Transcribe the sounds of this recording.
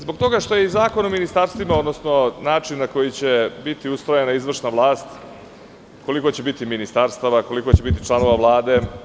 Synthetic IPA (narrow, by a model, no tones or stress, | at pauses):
zbokt̪o̞ɡaʂt̪o̞jeizaːko̞nominist̪aɾst̪ʋimao̞d̪nosno̞naːt͡ʂinːako̞jit͡ɕe̞bit̪iust̪ɾojenaizʋr̩ʂnaʋlˠaːst̪ | ko̞liko̞t͡ɕe̞bit̪iminist̪aɾst̪aʋako̞liko̞t͡ɕe̞bit̪̬it͡ʃlˠano̞ʋaʋlˠaːd̪e̞